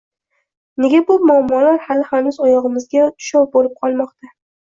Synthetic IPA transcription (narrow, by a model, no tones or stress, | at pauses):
ne̞ɡʲabʊmʊamːɒlaɾhalɪhanʊzɒjɒʁɨmɪzɡʲat̪ʰʊ̥ʃɒwbolɪp̚qʰɒlˠmɒqt̪ʰa